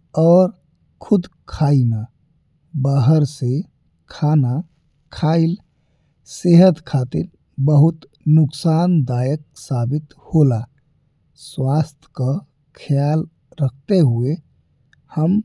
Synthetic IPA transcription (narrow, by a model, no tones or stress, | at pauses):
ɔːɾ | kʰud̪kʰaina | baɦəɾse | kʰana | kʰail | seɦət̪kʰat̪iɾ | bəɦut̪ | nuksand̪ajək̚sabit̪ | hola | swast̪ʰkə | kʰjal | ɾəkʰt̪eɦue | həm